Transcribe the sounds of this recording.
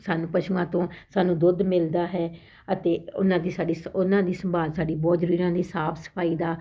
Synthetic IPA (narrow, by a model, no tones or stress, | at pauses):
saːnũːpəʃuãːt̪õːsaːnũːd̪ʊd̪mɪld̪aːɦɛː | ət̪eːʊ̰nãːd̪iːsaːɖiːsʊnãːd̪iːsəmbaːlsaːɖiːbɔːt̪d͡ʒəɾuːɾiãːd̪iːsaːpʰsə̥pʰaːiːd̪aː